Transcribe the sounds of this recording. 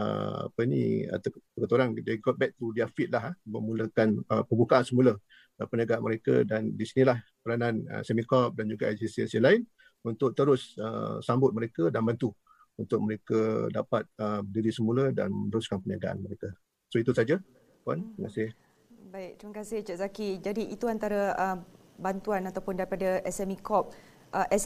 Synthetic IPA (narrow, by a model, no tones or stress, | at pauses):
ə̰a̰pənḭa̰t̪kət̪oɾaŋdeɡɔt̪̚bɛk̚t̪udiafɪt̪̚laɦaməmuləkanəpəbukaʔansəmulə | pəniaɡaanməɾekə̰dandisinilah | pəɾananə̰sɛmikɔp̚dand͡ʒuɡaasisɛ̰nsialaɪn | unt̪ʊk̚t̪əɾʊsə̰sambʊt̪̚məɾekədanbant̪u | unt̪ʊk̚məɾekəda̰pat̪̚əbədiɾisəmuləda̰nmə̃nəɾʊskanpənia̰ɡaʔa̰nməɾeka | soit̪usad͡ʒa | ka̰niməkasɪh | baɪk̚t̪ɾimakasɪht͡ʃaʔzakid͡ʒadiʔit̪uant̪aɾaə | bant̪uanat̪awpʊndaɾipadaʔɛsɛmikɔp̚ | ʔəʔɛ